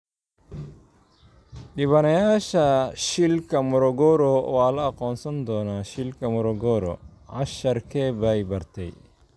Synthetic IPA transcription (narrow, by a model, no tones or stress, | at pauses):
ɗiβɐnɐjaːʃɐʃilkɐmɔɾɔɡɔɾɔwaːlɐːqɔnsɐnd̪ɔːnɐʃilkɐmɔɾɔɡɔɾɔ̰ | ʕa̰ʃɐɾkʰɛbajbɐɾt̪ɛ̰j